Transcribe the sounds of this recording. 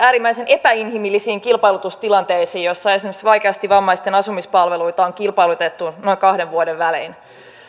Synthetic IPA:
æːɾimːæisene̞pæinɦimilːisiːŋkilpɑjlut̪ust̪ilɑnt̪eisiːjosːɑiesimsʋɑjkeɑst̪iʋɑmːɑist̪enɑsumispɑlʋeluit̪ɑoŋkilpɑjlut̪et̪ːuno̞iŋkɑhdeʋʋuodeʋʋælḭːn

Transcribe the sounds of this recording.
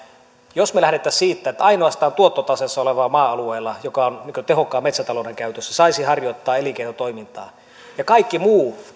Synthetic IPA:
josmelæhɾet̪ːˑæssiːt̪ːæet̪ːæɑinoɑst̪ɑːnt̪uot̪ːot̪ɑsesːɑoleʋɑːmɑːɑlueːlːɑjokɑonniŋkøt̪ehokːˑɑːmet̪sæt̪ɑloˑdeŋkæyt̪øsːæsɑisihɑrjot̪ːɑːelikeinot̪oimint̪ɑ̰ː | jɑkɑikːimuː

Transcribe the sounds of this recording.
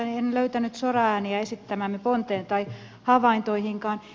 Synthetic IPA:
nienløyt̪ænyt̪sorɑæːniæesit̪ːæmæːmːepont̪eːnt̪ɑi | hɑʋɑint̪oihiŋkɑːn

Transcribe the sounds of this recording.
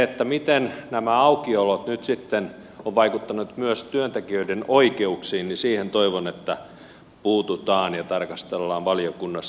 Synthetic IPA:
et̪ːæmit̪ennæmæɑukiolot̪nyt̪sit̪ːen | oʋʋɑikut̪ːɑnut̪myøst̪yønt̪ekiøidenoikeuksiːnnisiːhent̪oiʋonet̪ːæ | puːt̪ut̪ɑːnjɑt̪ɑrkɑst̪elːɑːʋʋɑliokunːɑs

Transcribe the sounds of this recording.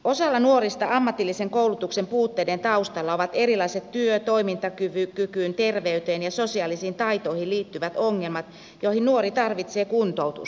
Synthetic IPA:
o̞sɑlːɑnuorist̪ɑɑmːɑt̪ːilːiseŋkouwlut̪uksempuːt̪ːeident̪ɑust̪ɑlːɑoʋɑt̪e̞ɾilɑiset̪tyøt̪o̞imint̪ɑkyʋykykyːnt̪erʋeyt̪eːnjɑsosiɑlisiːnt̪ɑit̪oihilliːt̪ːyʋæt̪oŋːelmɑt̪ | johinnuoɾit̪ɑrʋit̪se̞ːkunt̪out̪ṵs

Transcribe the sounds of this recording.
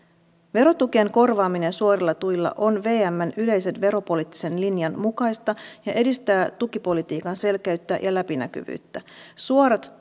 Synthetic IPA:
ʋe̞ɾo̞t̪uk̟ieŋko̞rʋɑːmine̞nsuo̞ɾilːɑt̪ujlːɑ̰ʔo̞nʋe̞ːæmːænyle̞jse̞nʋe̞ɾo̞po̞lit̪ːi̥se̞nlinjɑnmukɑjst̪ɑjɑʔe̞dist̪æːt̪ukipo̞lit̪iːkɑnse̞lkæyt̪ːæ̰jʔɑlæpinæ̰k̟y̰ʋy̰ːt̪ːæsuoɾɑt̪

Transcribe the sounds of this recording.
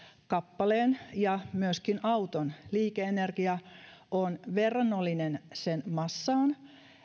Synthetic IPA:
kɑpːɑleːnjɑmyøskinʔɑut̪onliːkeenerkiɑʔonʋerːɑnːolːinensenmɑsːɑːn

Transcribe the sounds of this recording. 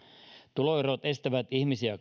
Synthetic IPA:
t̪uloirot̪e̞st̪æʋæt̪ihmisiæ

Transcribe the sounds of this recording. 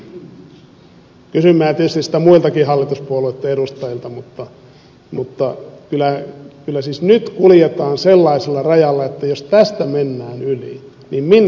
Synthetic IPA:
kysymːæːt̪iet̪yst̪issi̥t̪æmuilt̪ɑkihɑlːit̪uspuolueit̪ːɑeɾust̪ɑjilt̪ɑmut̪ːɑ | mut̪ːɑkylækylːæsiːsnyt̪kuljet̪ɑːnselːɑiselːɑrɑjɑlːɑet̪ːæjost̪æst̪æmenːæːnylḭ | nimmin

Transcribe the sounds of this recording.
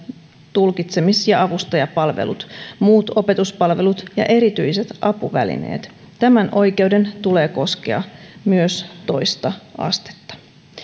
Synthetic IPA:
t̪ulkit̪semisjɑɑʋust̪ɑjɑpɑlʋḛlut̪muːt̪o̞pe̞t̪uspɑlʋe̞lut̪jɑ̰ʔe̞ɾit̪yiset̪ʔɑpuʋælḭne̞̰ːt̪ | t̪æmænʔo̞jke̞uwde̞nt̪ule̞ːko̞skḛɑ̰myøst̪o̞jst̪ɑɑ̰st̪e̥t̪ːɑ̥

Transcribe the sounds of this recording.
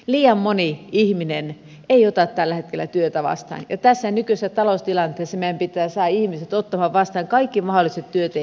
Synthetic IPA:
liːjɑmmoniihminen | eiot̪ɑt̪t̪ælːæhet̪̚kelːˑæ̰t̪yøt̪æʋɑ̰st̪ɑ̰ːnjɑt̪æsːænykysæt̪ɑlost̪ilɑnt̪ːˑeːˑsemeæmpit̪ːˑæːsɑːihmiset̪ot̪ːɑmɑʋʋɑst̪ɑːŋkɑikːimɑholˑiset̪tyøt̪e

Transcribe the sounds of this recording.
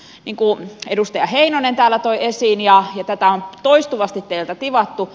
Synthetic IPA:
niŋkuedust̪ɑjɑheinonent̪æːlːˑæt̪oiesiːnjɑjɑt̪æt̪æont̪oist̪uʋɑst̪it̪t̪eilt̪æt̪iʋɑt̪ːu

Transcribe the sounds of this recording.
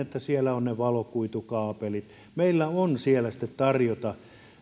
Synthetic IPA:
et̪ːæsielæonneʋɑlokuit̪ukɑːpelit̪ | meilːæonsielæsi̥t̪ːet̪t̪ɑrjot̪ɑ

